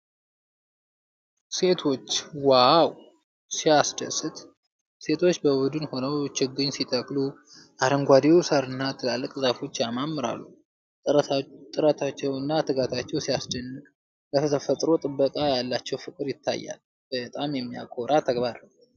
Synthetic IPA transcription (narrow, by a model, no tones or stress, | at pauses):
se̞t̪ʰo̞t͡ʃːwaw | siasd̪ə̰sɨt̪ | se̞t̪ʰo̞t͡ʃːbəbud̪ɨnho̞nəwt͡ʃɪɡːɨɲsit̪ʰəkʼlu | ʔaɾəŋɡʷad̪ewsəɾɨnːat̪ʰːɨlalːɨkʼzafo̞t͡ʃːjamamːɨɾa̰lːu | ət̪ʼɨɾət̪ʰat͡ʃːɛwɨnːat̪ʰɨɡat̪ʰat͡ʃːɛwsiasdənːɨkʼ | bət̪ʰət̪ʰəfət̪ʼɾo̞t̪ʼɨbːəkʼajalːat͡ʃːɛwfɨkʼɨɾjɪt̪ʰːa̰jːa̰l | b̥ət̪ʼamjɛmːija̰kʰʼo̞ɾat̪ʰəɡbaɾəw